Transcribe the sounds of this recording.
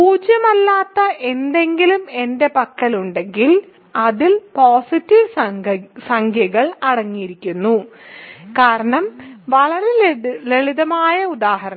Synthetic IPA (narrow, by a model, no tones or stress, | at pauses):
puːd͡ʑjɐmɐlːaːt̪ːɐʔe̞nd̪e̞ŋɡilume̞nde̞pɐkːɐluɳɖe̞ŋɡil | ɐðilpoːsitːiʋ | sɐŋkʰjɐɣɐɭɐɽɐŋːijiɾikʲːunːu | kaːɾɐɳɐmʋɐɭɐɾeleɭiðɐmaːjɐud̪aːhɐɾɐ